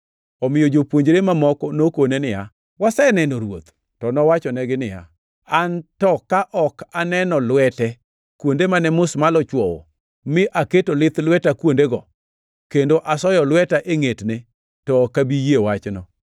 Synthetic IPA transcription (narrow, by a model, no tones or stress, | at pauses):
ɔmɪjɔd͡ʒopwoɲd͡ʒɾemamɔkɔnokonenɪja̰ | wasɛnɛnoɾwo̰t̪ | tɔnɔwat͡ʃɔnɛɡɪnɪja̰ | antɔkaʔɔkanɛnɔlwɛtɛ | kwondemanɛmʊsmalɔt͡ʃwɔwɔ̰ | mɪʔaketolɪt̪lwɛtakwondeɡɔ | kendoʔasɔjɔlwɛtaʔeŋetne | tɔkabijewat͡ʃnɔ